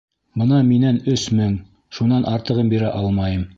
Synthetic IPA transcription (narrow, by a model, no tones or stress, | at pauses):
bɤnɑminænɵsmɘŋ | ʃunɑnʔɑɾt̪ɤ̆ʁɤmbiɾæʔɑlˠmɑjɤm